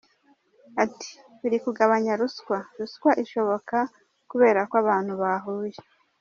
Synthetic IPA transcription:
ati̥ | uɾikuɡaβaɲaɾuskwaɾuskwaʔiʃo̞βo̞ka | kuβe̞ːɾakwaβaːn̥huβaɦuːje

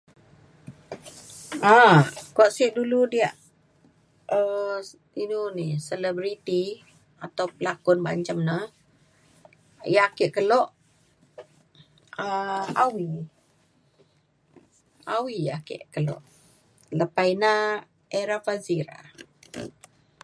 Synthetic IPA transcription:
akaʔsiʔduludiaʔ | ə | inunisəlɛbɾit̪i | at̪awpəlakʊnba̰ɲt͡ʃamnə | jaakeʔkəlɔʔ | əawi | awiakḛʔkəlɔ̰ʔ | ləpajna | eɾafaziɾa̰

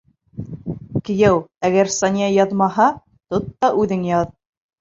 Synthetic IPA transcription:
kɘ̆jæwæɡæɾsɑnʲjɑjɑðmɑɦɑ | t̪ot̪ːɑʔʉðɘŋjɑð

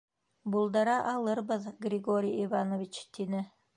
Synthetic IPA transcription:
bulˠd̪ɑɾɑʔɑlˠɯɾbɯðɡrʲiɡoɾʲijivanovʲit͡ʃt̪ʰinɪ

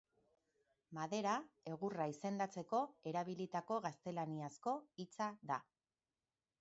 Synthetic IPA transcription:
maðe̞ɾae̞ɣ̞uraise̞nd̪at͡se̞ko̞e̞ɾaβ̞ilit̪ako̞ɣast̪e̞laniasko̞it͡saða

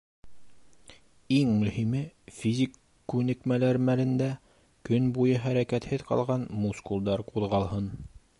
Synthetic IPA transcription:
iŋmɵ̆himɘfʲizʲikː | ʉnɘ̆kmælæɾmælɘ̆nd̪æ | kɵnbujɤɦæɾækæt̪hɘðqɑ̰lˠʁɑnmuskulˠd̪ɑɾquðʁɑlˠhɤn

